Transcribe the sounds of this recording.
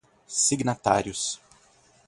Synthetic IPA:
siɡnat̪a̰ɾjʊs

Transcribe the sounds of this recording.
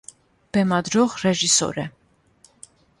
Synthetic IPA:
b̥ɛmɑd̪ɾɔʁrɛʒisɔ̰ɾɛ

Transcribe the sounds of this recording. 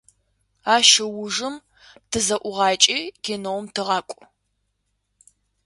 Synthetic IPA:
aːʃɐwʊʐɨm | tʰɨzɐʔʷʊʁɑːt͡ʃʼiːɡ̥enowmtʰɨʁɑːkʷʼʊ

